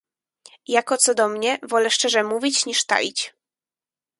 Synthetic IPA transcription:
jakɔt̪sɔd̪ɔmɲɛvɔlɛʂt͡ʂɛʐɛmuvʲit͡ɕɲiʂt̪a̰it͡ɕ

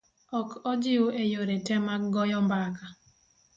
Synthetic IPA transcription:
ɔkɔd͡ʒɪoejoɾetɛmaɡɔjɔmbaka

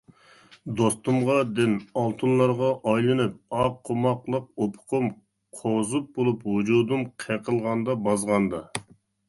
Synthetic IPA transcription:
d̪ost̪umʁɑd̪ɪnɑlˠt̪ʰunlˠɑɾʁɑʔɑjlˠɨnɨp̚ɑqʰːomɑqlˠəq̚opʰʊ̥qʰʊm | qʰozup̚bolˠuphud͡ʒud̪umqʰɛqʰəlˠʁɑnd̪ɑbɑzʁɑnd̪ɑ

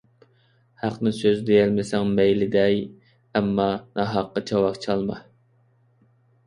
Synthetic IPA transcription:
hæqnɪŋsøzd̪ejɛlmɪsɛŋmɛjlɪd̪ɛj | ɛmːɑnʔɑɦɑqːɑt͡ʃʰɑwɑχt͡ʃʰɑlˠmɑ̰

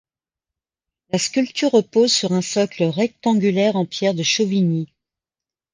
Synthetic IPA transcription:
laskʲylt̪yʁːəpozsyʁɛ̃sɔkləʁɛk̚t̪ɑ̃ɡʲylɛʁɑ̃pjɛʁd̪əʃovini

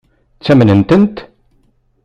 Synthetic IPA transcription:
t͡sːæmnənt̪ənt̪

